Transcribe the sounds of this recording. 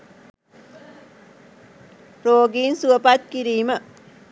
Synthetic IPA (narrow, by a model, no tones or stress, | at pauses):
ɾoːɡiːnsuəpat̪̚kiɾiːmə